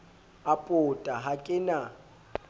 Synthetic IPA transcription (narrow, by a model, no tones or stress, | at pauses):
apʼʊtʼaɦakʼɪna